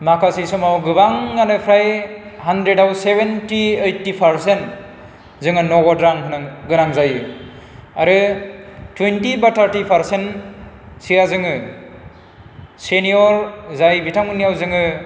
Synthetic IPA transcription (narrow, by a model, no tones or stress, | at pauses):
makʰasisɔmawɡɯbaŋːanɯpʰɾajhandɾedawsebentiejtːipʰaɾsent | zɯŋɯnɔɡɔdɾaŋkʰɯnaɡɯɾaŋzajɯ | aɾɯ | twentibatʰaɾtipʰaɾsen | sijazɯŋɯ | senijɔɾzajbitʰaŋɯnːijawzɯŋɯ